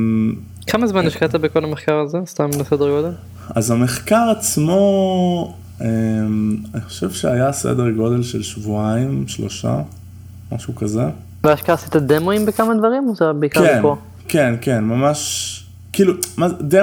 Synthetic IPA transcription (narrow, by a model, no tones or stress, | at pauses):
kʰamazmaniʃkat̪abeko̞lameχkaʁazest̪amlesedeʁɡo̞d̪e̞l | a̰zameχkaʁat͡smo̞ | emaniχo̥ʃe̞vʃeajasḛdeʁɡo̞de̞lʃelʃvuaimʃlo̞̰ʃa̰ | ma̰ʃukaze | veaʃkasit̪ad̪emoimbekamad̪vaʁimot̪abeikkaʁenko | kenke̞nmamaʃ | kiːlumade